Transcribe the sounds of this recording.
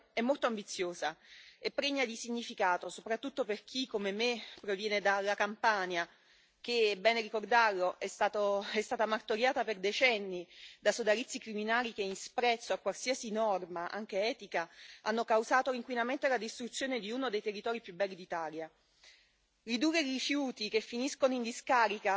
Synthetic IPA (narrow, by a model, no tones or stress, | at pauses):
ɛmːolt̪oambit̪sːjoːzaepːɾeɲːad̪isiɲːifikaːt̪osopɾat̪ːut̪ːoperk̟ʰikːomemepːɾovjɛːned̪alːakampanja | k̟ebɛːneɾikord̪arloʔɛst̪aːt̪oɛst̪aːt̪amart̪oɾjaːt̪aperd̪et͡ʃɛnːid̪asod̪alit̪sːikɾiminaːlik̟einspɾɛt̪sːoakːwalsiasinɔrmaʔa̰ŋk̟eɛːt̪ikaa̰nːokawzaːt̪oiŋkwinament̪alad̪ist̪ɾut̪sjoːned̪iuːnod̪ejt̪erːit̪ɔːɾipjubːɛlːid̪it̪aːlja | rid̪uːrːeirifjuːt̪ik̟efːiniskonoind̪iskaːɾika